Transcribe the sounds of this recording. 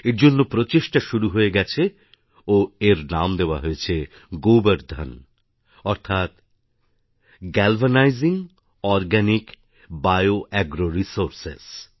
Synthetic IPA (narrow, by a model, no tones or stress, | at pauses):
eɾd͡ʑonːopɾot͡ɕeʃʈaʃuɾuɦoeɡɛt͡ɕʰe | oeɾnamd̪eoa̰ɦoet͡ɕʰe | ɡowbaɾd̪ʱa̰n | ɔɾt̪ʰat̪ | ɡɛlvanajziŋ | ɔɾɡɛnik | bajoʔɛɡɾoɾisoɾsḛs